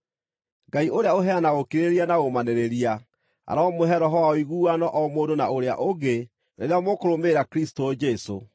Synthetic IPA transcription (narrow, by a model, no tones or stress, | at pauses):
ɡaiʔoɾeaoɦɛanaɣokiɾeɾianaɣomaneɾeɾia | a̰ɾaːmoɦɛɾɔɦɔwaoiɣuːanɔʔɔmoːdonaoɾea̰ʔoɡe | neɾeamokoɾomeɾakɾistod͡ʒɛso̰